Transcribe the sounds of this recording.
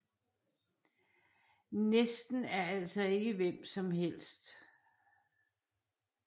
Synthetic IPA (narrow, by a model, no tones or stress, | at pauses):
nesd̥n̩æɐæl̰sɒe̝ɡ̥əʋem̰sɒ̽mhel̰sd̥